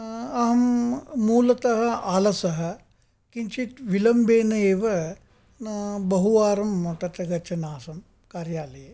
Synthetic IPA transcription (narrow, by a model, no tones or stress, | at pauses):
ɐɦɐmːuːlɐt̪ɐɦɐ̆aːlɐsɐɦɐ̆ | kiɲt͡ʃit̪ʋilɐmbeːnɐeːʋɐ | nɐbɐɦuʋaːɾɐmɐt̪ɐt̪ɐɡɐt͡ʃʰɐnaːsɐm | kaːɾjaːlɐje